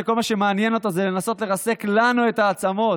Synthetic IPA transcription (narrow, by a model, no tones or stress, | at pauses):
ekolmaʃemeanjeno̞t̪azele̞naso̞t̪le̞ʁase̞klanue̞t̪aːt͡samo̞